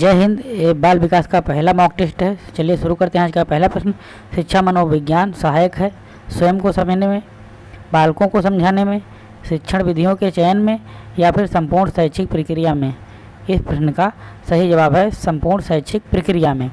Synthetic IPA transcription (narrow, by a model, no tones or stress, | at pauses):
d͡ʒɛːɦɪ̃nd̪eːbaːlʋɪkaːskapɛɦlamɔːk̚ʈɪsʈɦɛt͡ʃɐlieʃʊɾukɐɾt̪ẽɦɛ̃aːd͡ʒkapɛɦlapɾəsn | ʃɪtːʃʰamənoːʋɪɡjaːnsəɦaːjəkɦɛː | swəjəmkosɐməd͡ʒʱnemẽ | baːlkõkosɐ̃md͡ʒʱaːnemẽ | ʃɪtːʃʰəɽ̃ʋɪd̪ʱijõket͡ʃɛːnmẽ | japʰɪɾsɐ̃mpuːɾɳsəɦʃʰɪk̚pɾɪkɾijamẽ | ɪspɾɐsnəkasɐɦid͡ʒɐβaːbɦɛsɐ̃mpuːɾɳsətːt͡ʃʰɪk̚pɾɪkɾijamẽː